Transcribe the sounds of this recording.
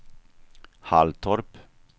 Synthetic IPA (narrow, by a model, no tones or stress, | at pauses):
halt̪ʰɔɾp